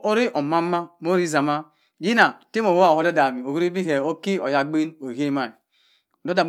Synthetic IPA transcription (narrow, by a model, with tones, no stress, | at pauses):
o˦ɾi˦ʔo˨ma˦a˦mo˦ɾi˦za˨ma˦ | ji˦na˨ti˦mo˨wo˦a˨o˦do˦da˨mi˨o˨wu˦ɾi˦bi˦ɦe˨o˦ki˦o˨ja˨ɡ͡bi˦no˨ɦe˦ma˨i˨ | do˦da˨m